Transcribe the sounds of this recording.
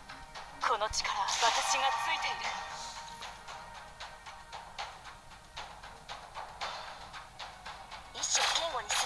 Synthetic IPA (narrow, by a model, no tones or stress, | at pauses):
kʰonot͡ɕi̥kaɾasat̪at͡ɕiɡat͡sɨit̪e | ĩɕik̪ʲẽŋɡoɲis